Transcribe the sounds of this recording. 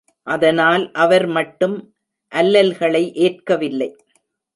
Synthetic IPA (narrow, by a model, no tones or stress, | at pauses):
ʔɐðɐnaːlʔɐʋɐɾmɐʈːɯm | ʔɐlːɐlɣɐɭɐɪʔeːrkɐʋɪlːɐɪ